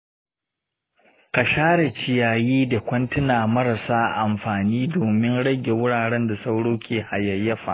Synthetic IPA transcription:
ka˨ʃaː˦ɽe˨t͡ʃɪ˨jaː˨jiː˦da˨kʷɐ˦ntɪ˦naː˨mɐ˦ɾɐ˨saː˦ʔa˨mɸaː˨niː˦doː˨mɪ˦nɽɐ˦ɡʲe˨wʊ˦ɽaː˨ɽɛ˦nda˨sa˦wɽoː˦kʲeː˨ha˨jɐ˨jːɐ˦ɸa̰˨ʔ

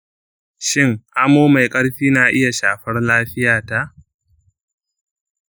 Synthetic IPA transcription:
ʃɪ˦ŋʔa˦moː˦ma˨jkʼɐ˦ɽɸiː˦naː˨ʔɪ˦ja˨ʃaː˨ɸɐ˦rlaː˦ɸɪ˦jaː˨ta˦ʔ

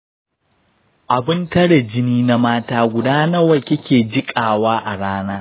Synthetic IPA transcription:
ʔa˨bɪ˦ntɐ˦ɽe˨d͡ʒɪ˦niː˦na˦maː˦taː˦ɡʷʊ˨daː˦nɐ˦wɐ˦˨kʲɐ˦kʲeː˨d͡ʒɪ˦kʼaː˨waː˦ʔa˨ɽaː˦naː˦

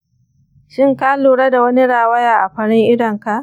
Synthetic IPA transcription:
ʃɪ˦ŋkaː˦luː˨ɽɐ˦da˨wɐ˦ni˦ɽaː˨wɐ˦jaː˨ʔa˨ɸɐ˦ɽɪ˦ŋʔɪ˦dɐ˨ŋka˨ʔ

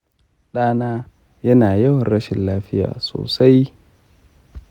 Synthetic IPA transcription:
ɗaː˦naː˦ | jɐ˦naː˨jɐ˦wɐ˨nɾɐ˦ʃɪ˨nlaː˦ɸɪ˦ja̰ː˨so̰ː˨sa˦j

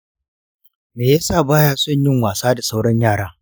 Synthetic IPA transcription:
meː˨ja˦saː˦˨baː˦jaː˦sʊ˦˨ɲjɪ˦ŋwaː˨saː˦da˨sa˦wɽɐ˦ɲjaː˦˨ɽaː˦

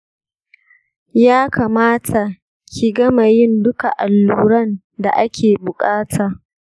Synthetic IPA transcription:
jaː˦kaː˨maː˦tʰa˨ | kʲʰi˨ɡɐ˦ma˨jɪ˦ndʊ˦ka˨ʔa˨lːuː˦ɾɐ˦˨n | da˨ʔa˦kʲʰeː˨bʊ˨kʼaː˦tʰaː˨

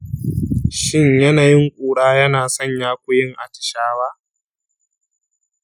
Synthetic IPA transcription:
ʃɪ˦ɲjɐ˦naː˨jɪ˦ŋkʷʼuː˨ɽaː˦jɐ˦naː˨sɔ˦˨ɲjaː˦kʷʊ˦jɪ˦ŋʔa̰˨tɪ̥˨ʃaː˦waː˦

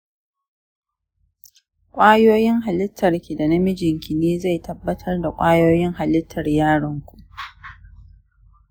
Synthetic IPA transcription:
kʷʼaː˦joː˦jɪ˦ŋɦa˨lɪ˦tʰːɐ˨rkʲi˨da˨nɐ˦mɪ˦d͡ʒɪ˨ŋkʲi˨neː˦za˦˨jtʰɐ˨bːɐ˦tʰɐ˦rda˨kʷʼaː˦joː˦jɪ˦ŋɦa˨lɪ˦tʰːɐ˨rjaː˦ɽɐ˦ŋkʷu˨ʔ

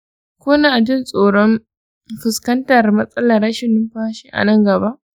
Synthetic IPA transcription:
kʷʊ˦naː˨dʊ˦nsʼoː˨ɽɔ˦m | ɸɪ˨skɐ˦ntɐ˨rmɐ˦sʼɐ˦lɐ˨rɽɐ˦ʃɪ˨nːɪ˦mɸaː˦ʃi˦ʔa̰˨nɐ˦˨ŋɡɐ˨ba˦ʔ

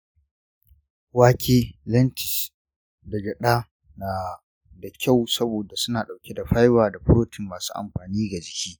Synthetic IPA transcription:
waː˦kʲeː˦lɐ˦ntɪ̥˨s | da˨ɡɐ˨ɗaː˦ | naː˨ | da˨kʲa˦˨wsɐ˦boː˨da˨sʊ˦naː˨ɗa˨wkʲe˦da˨ɸa˦jwaː˨da˨ɸʊ˦ɾoː˦tɪ˨mːaː˨su̥ː˦ʔa̰˨mɸaː˨niː˦ɡa˨d͡ʒɪ˨kʲiː˦

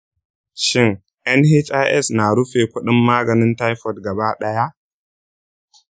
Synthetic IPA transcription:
ʃɪ˦ŋ | ʔɛ˦nhe˦t͡ʃa˦ʔɛ˦sna˨ɽʊ˦ɸeː˨kʷʊ˦ɗɪ˦mːaː˦ɡɐ˨nɪ˦nta˦jɸɔ˨tɡɐ˨ba˦ɗɐ˦ja˦ʔ

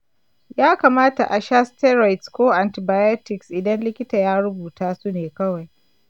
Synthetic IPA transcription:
jaː˦kaː˨maː˦ta̰˨ʔa˨ʃa˦stɛ˦ɾa˨jtskʷoː˦ʔa˨ntɪ˨baː˨jo˦tɪ˨ksʔɪ˨dɐ˦nlɪ˦kʲɪ˦taː˨jaː˦ɽʊ˦buː˨taː˦su˦neː˨kɐ˦wa˨j

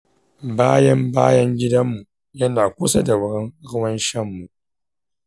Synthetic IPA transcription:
baː˦jɐ˦mbaː˦jɐ˦ŋɡʲɪ˦dɐ˦mːu˨ | jɐ˦naː˨kʷu˦sa˦da˨wɾɪ˦ŋɾʊ˦wɐ˦nʃɐ˦˨mːu˨

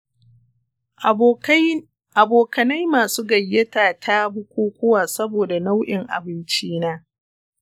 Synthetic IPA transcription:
ʔa˨boː˨kɐ˨nɐ˦jmaː˨suː˦ɡɐ˨jːɐ˦taː˨tʰa˦bʊ˦kʷuː˦kʷʊ˦waː˨sɐ˦boː˨da˨na˦wʔɪ˨ŋʔa̰˨bɪ˦nt͡ʃiː˦naː˦

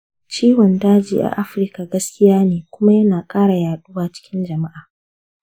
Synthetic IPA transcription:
t͡ʃiː˦wɔ˨ndaː˦d͡ʒḭː˨ʔa̰˨ʔa˦ɸɪ˨ɾka˨ɡɐ˦skʲɪ˦jaː˦neː˨kʷʊ˦ma˦jɐ˦naː˨kʼaː˦ɽa˨jaː˨ɗu˦waː˨t͡ʃɪ̥˦kʲɪ˦nd͡ʒɐ˨ma˦ʔaː˨

